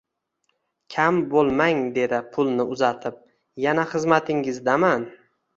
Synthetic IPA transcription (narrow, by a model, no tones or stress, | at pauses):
kʲʰambolˠmaŋd̪e̞d̪ɪpʰʊlˠnɪʊzat̪ʰɪp̚ | janaχɨzmat̪ʰɪŋɪzd̪aman